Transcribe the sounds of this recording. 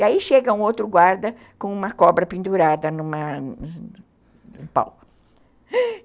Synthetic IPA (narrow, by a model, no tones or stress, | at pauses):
iaiʃeɡɐũowt̪ɾʊɡwaɾd̪ɐ | kõũmɐkɔbɾɐpĩnd̪uɾad̪ɐnũmɐ | ũpa̰w